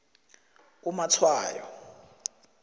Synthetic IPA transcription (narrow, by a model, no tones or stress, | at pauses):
umat͡sʰwaːjɔ̰